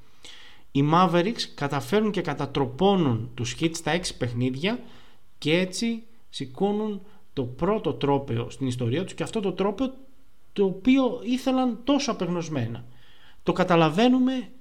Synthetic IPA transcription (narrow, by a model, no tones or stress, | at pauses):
imɐve̞ɾikskɐt̪ɐfe̞ɾunce̞kɐt̪ɐt̪ɾo̞po̞nunt̪usçit̪st̪ɐe̞ksi̥pe̞xniðʝɐ | ce̞e̞t͡si | siko̞nun | t̪o̞pɾo̞t̪o̞t̪ɾo̞pe̞o̞̰st̪inist̪o̞ɾiɐt̪u̥sce̞ɐft̪o̞t̪o̞t̪ɾo̞pe̞o̞ | t̪o̞ːpio̞iθe̞lɐnt̪o̞soɐpeɣno̞zme̞nɐ̰ | t̪o̞kɐt̪ɐlɐve̞nume̞